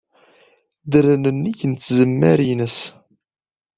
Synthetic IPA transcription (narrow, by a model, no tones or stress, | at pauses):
d̪əɾənənːiçənt͡sːzəmːæɾinəs